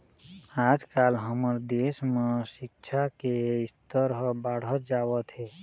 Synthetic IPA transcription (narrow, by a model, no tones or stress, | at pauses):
ad͡ʒkalɦəməɾd̪esmesikt͡ʃʰakeist̪əɾɦbaɽ̤ət̪d͡ʒawət̪ʰɦe